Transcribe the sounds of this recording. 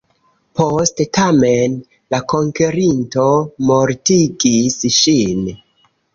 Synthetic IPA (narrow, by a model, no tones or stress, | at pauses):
postetame̞n | lako̞ŋkeɾinto̞moɾtiɡisʃin